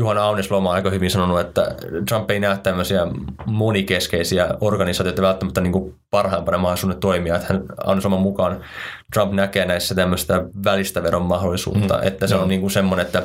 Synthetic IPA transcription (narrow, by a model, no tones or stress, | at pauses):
juhɑnɑuneslomɑnɑikɑhyʋinsɑnonuet̪ːæ̰t̪rɑmpːeinæːtt̪æmːøsiæmonikeskeisiæorɡɑnisɑːt̪jiot̪ːɑʋælt̪ːæmæt̪ːæniːŋku | pɑrhɑimpɑnemɑholisuːnːet̪t̪oimiɑet̪hænɑ̰uneslomɑmukɑnt̪rɑmpnækeːnæisːæt̪æmːøst̪æʋælist̪æʋeɾommɑhdolːˑisṵːt̪ːɑ̰ʔḛt̪ːæseonniːŋkunsemːonenet̪ːæ